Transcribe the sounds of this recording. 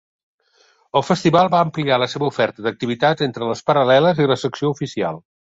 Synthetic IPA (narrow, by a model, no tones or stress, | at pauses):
əlˠfəst̪iβalˠβaəmplialəseβəufɛrt̪əd̪ək̚t̪iβit̪azent̪ɾələspəɾəlɛləziləsəksioufisia̰lˠ